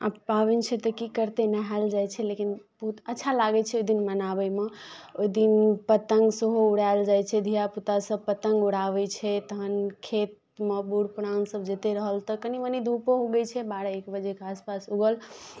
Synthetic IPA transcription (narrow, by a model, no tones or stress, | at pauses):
a̰pabint͡ʃʰɛt̪ɔkikəɾt̪enəɦald͡ʒajt͡ʃʰɛlekinb̥əɦut̪ətːʃʰalaɡɛt͡ʃʰɛoid̪inmənabəjmeoid̪inpət̪əŋɡsəɦouɽaeld͡ʒajt͡ʃʰɛd̪ʱijaput̪asəb̚pət̪əŋɡuɽaʋɛt͡ʃʰɛt̪əɦənkʰet̪̚ | mebuɽpɾãnsəbd͡ʒet̪eɾəɦəlt̪ɔkəniʋənid̪ʱupoɦoɡəjt͡ʃʰɛbaɽəekbəd͡ʒekaspasuɡəl